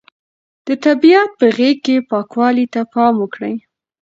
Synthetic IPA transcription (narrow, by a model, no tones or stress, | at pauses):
d̪̥ət̪abijat̪̚pəɣekkːepɑkwɑlit̪apɑmʊkɽəj